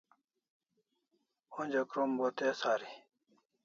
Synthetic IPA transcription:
õnʲd͡ʑɐkɾombot̪eːsaːɾi

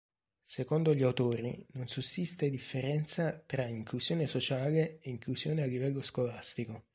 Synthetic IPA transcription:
sekɔnd̪oʎiawt̪oːɾḭnonsusist̪ed̪ifːeɾɛnt̪sat̪ɾaiŋklusjoːnesot͡ʃaːleːiŋklusjoːnealːivɛlːoskolast̪iko

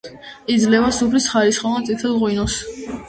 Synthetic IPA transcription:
id̪zlɛvasupʰlisχaɾisχɔvansʼit̪ʰɛlˠʁwinɔs

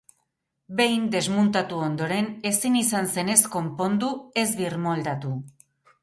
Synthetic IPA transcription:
be̞jnd̪e̞zmunt̪at̪uond̪o̞ɾe̞ne̞sinisanse̞ne̞sko̞mpo̞nd̪ue̞zβirmo̞ld̪at̪u

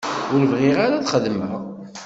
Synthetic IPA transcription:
ʊɾəvʁɪʁaɾaθχəðmə̰ʁ

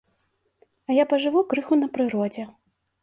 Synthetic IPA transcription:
ɐjapɐʐɨvukɾɨxunɐpɾɨɾɔd͡zʲɛ

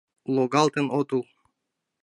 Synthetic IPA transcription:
loɡɑlt̪enot̪ulˠ

